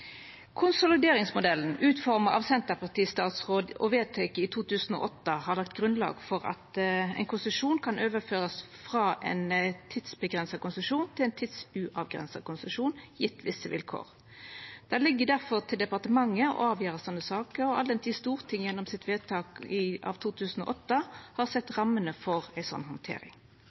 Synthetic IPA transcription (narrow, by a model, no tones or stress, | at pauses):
kʰʊnsʊlɪd̪eːʁɪŋsmʊd̪ɛlːn̩ʔʉːt̪fɔʁməʁɑ̰ʋsɛnt̪əpʰɑʁt̪ʰiːst̪ɑːt̪sʁoːd̪ɔ̰ʋeːt̪ʰeːkəɪt̪ʰuːt̪ʰʉːsn̩ɔ̰ʔɔt̪ːəhɑʁlɑk̚t̪ɡʁʉnlɑ̰ːɡfɔʁɑ̰t̪ɛ̰ɪnkʰʊnsəʂuːnkʰɑnøːʋəføːʁəsfʁɑːʔɛ̰ɪnt̪ʰɪd̪sbəɡʁɛnsɑkʊnsəʂuːnt̪ʰɪlɛɪnt̪ʰɪd̪sʉʔɑʋɡʁɛ̰nsɑ̰kʊnsəʂuːnjɪt̪ʰːʋɪsːəʋɪ̰lkʰo̰ːʁ | d̪̥ɛlɪɡːəd̪æʁfɔʁt̪ʰɪld̪ɛpɑʁt̪əmɑŋːəɔ̰ɑːʋjøːʁəsɔnːəsɑːkəɾɔɑ̰lɛnt̪ʰiːst̪uːʁt̪ʰɪŋjɛnːɔmsɪt̪ʋeːt̪ʰɑːkɪʔɑ̰ʋt̪ʰuːt̪ʰʉːsn̩ɔ̰ʔɔt̪ːəhɑʁsɛt̪ːʁɑmːənəfɔʁæɪsɔ̰nːɦɔnt̪ʰḛːɾɪ̰ŋ